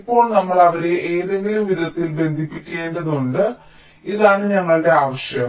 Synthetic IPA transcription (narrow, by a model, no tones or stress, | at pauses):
pːo̞ːɭnɐmːɐɭɐʋɐɾe̞ʔeːðeŋɡʲilumʋiðɐt̪ːilbe̞nd̪ʱipːikʲːe̞ːnɖɐðuɳɖɨ | iðaːɳɨɲɐŋːɐɭɨɽe̞aːʋɐɕjɐm